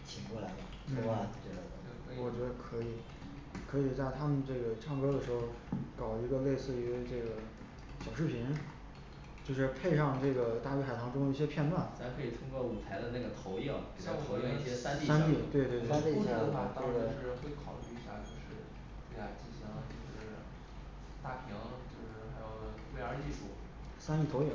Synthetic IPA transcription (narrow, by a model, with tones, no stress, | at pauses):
t͡ɕʰi˨˩ŋkwɔ˥˩la˧˥ɪd̪ə˧ | n̩˥˩˧a˥˩˧t͡ɕə˥˩˧wɔ˨˩t͡ɕɥɛ˧˥d̪ə˧kʰɤ˧˥i˨˩˦ | kʰɤ˧˥i˨˩t͡sa˥˩ɪt̪ʰa˥mə˨nʈ͡ʂɤ˥˩ɡə˩ʈ͡ʂʰɑ˥˩ŋkɤ˥d̪ə˨ʂɻ̩˧˥xo˥˧˩ʊkɑ˨˩ʊi˧˥ɡə˧le˥˧ɪsɹ̩˥˩y˧˥ʈ͡ʂɤ˥˩ɡə˩ | ɕjɑ˨˩ʊʂɻ̩˥˩pʰi˧˥ŋ | t͡ɕjo˥˧ʊʂɻ̩˥˧pʰe˥˧ɪʂɑ˥˧ŋʈ͡ʂɤ˥˩ɡə˩t̪a˥˩ly˧˥xa˨˩ɪtʰɑ˧˥ŋʈ͡ʂʊ˥ŋd̪ə˧i˥˩ɕjɛ˥pʰjɛ˥˧nt̪wa˥˩nt͡sʰa˧˥ɪkʰɤ˧˥˩i˨˩t̪ʰʊ˥ŋkwɔ˥˩u˨˩t͡sʰa˧˥ɪd̪ə˧na˥˩ɡə˩t̪ʰo˧˥ʊi˥˩ŋ˨˩jɑ˥˩t̪ʰo˧˥ʊjɛ˥˧ŋi˥˩ɕjɛ˥sa˥nt̪i˥˧sa˥nt̪i˥˩t̪we˥˧ɪt̪we˥˧ɪt̪ni˥˩˥a˨˩t̪ɑwe˥˧t̪wɪʂɻ̩˥˩˥xwe˥˩ɪkʰɑ˨˩ʊly˥˩ɕa̰˥˧t͡ɕjo˥˧ʂɻ̩˥˧ | twe˥˩ɪxa˨˩ɪt͡ɕi˥˩ɕɑ˧˥ŋt͡ɕo˥˩ʊʂɻ̩˥˩ | t̪a˥˩pʰi˧˥ŋt͡ɕjo˥˧ʊʂɻ̩˥xa˧˥ɪjɑ˥˩ʊwe˥˩ɪə˞˧˥t͡ɕi˥˧ʂṵ˥˩ | sa˥nt̪i˥˩o˧˥ʊji˥˩ŋ